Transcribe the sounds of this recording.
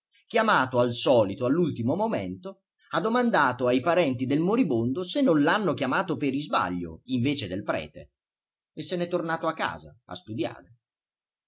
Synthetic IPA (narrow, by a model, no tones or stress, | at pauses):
k̟jamaːt̪oalsɔːlit̪oalːult̪imomoment̪o | ad̪ːomand̪aːt̪oajpaɾɛnt̪id̪elmoɾibond̪osenːõnlanːokjamaːt̪opeɾizba̰ʎːo̰iɱveːt͡ʃed̪elpɾɛ̰ːt̪ḛ | esːɛnɛt̪ːornaːt̪oakːa̰ːzaa̰st̪ud̪ja̰ːɾe